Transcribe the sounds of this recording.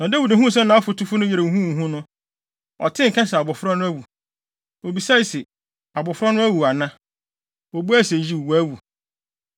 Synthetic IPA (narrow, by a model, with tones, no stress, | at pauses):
nã˨da˦wi˨dã˨ɦũ˦s̬ɛ̃˦nːã˨ɔ˦fʊ˨tʰu˦fʊ˦nʊ̃˦jɛ˨ɾe˨ɦũ˦˨ɦũ˦nʊ̃˦ | ɔ̰˨tʰɪ̃˦ŋ̩˨kʰã˦nsɛ˨a˨bʊ˨fʊ˦ɾɔ˦nʊ̃˦æ˦wu˨ | o˨bi˨sa˦i˨sɪ˨ | a˨bʊ˨fʊ˦ɾɔ˦nʊ̃˦æ˦wu˨a˨nã˦ | ɔ˨bu˦æ˦˨se˨d͡ʑi˦u˨wæ˦wu˨